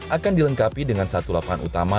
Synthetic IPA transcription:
ʔakandiləŋkapidəŋansat̪ulapaɦanʔṵt̪ama

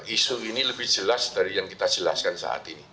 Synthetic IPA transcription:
ʔisuiniləbɪhd͡ʒ̥əlasd̪̥aɾijaŋkit̪ad͡ʒ̥əla̰skansa̰ʔa̰t̪ini

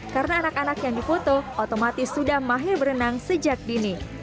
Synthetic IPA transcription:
kaɾənaːnakanakjaŋdifot̪oot̪omat̪ɪsːudahmaɦɪrbəɾənaŋsəd͡ʒak̚dini

